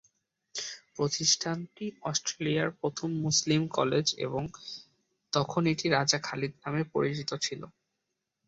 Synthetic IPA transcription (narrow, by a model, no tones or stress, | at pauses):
pɾot̪isʈʰant̪iɔsʈɾelijaɾpɾot̪ʰomːuslimkɔ̰led͡ʑḛboŋ | t̪ɔkʰoneʈiɾad͡ʑakʰalid̪namepo̰ɾit͡ɕit̪ot͡ɕʰilo̰